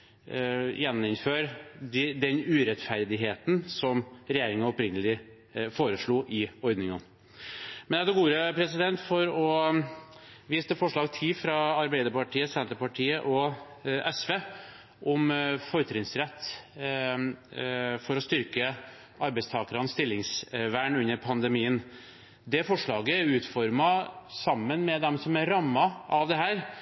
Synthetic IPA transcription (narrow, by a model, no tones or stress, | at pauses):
jɛnːɪnføːɾd̪ɪd̪ɛnʉɾɛt̪fæɾd̪ɪɦeːt̪n̩sɔmɾɛjeːɾɪŋɑɔpɾɪŋːəlɪ | foːɾəʂɭuːʔɪɔɾd̪nɪŋən | mɛnɛd̪ɛɡuːɾəpʰɾɛsɪd̪ɛnt̪fɔɾɔ | ʋiːsəfɔʂɭɑːɡ̚t̪ʰɪfɾɑɑɾbæɪd̪əɾpɑʈʰiːəsɛnt̪əɾpɑʈʰiːəʔɔʔɛsʋeː | ʔɔmfɔɾət̪ʰɾɪŋsɾɛt̪ː | fɔɾɔst̪ʏɾkə | ʔɑɾbɛɪst̪ʰɑːkəɾɑnst̪ɪlːɪŋsʋæːɳʉnːəɾpʰɑnd̪ɛmiːən | d̪ɛfɔʂɭɑːɡəæɾʉːt̪fɔɾmɑsɑmːənmɛd̪ɛmsɔmæɾɾɑmːɑʔɑʋd̪ɛɦæːɾ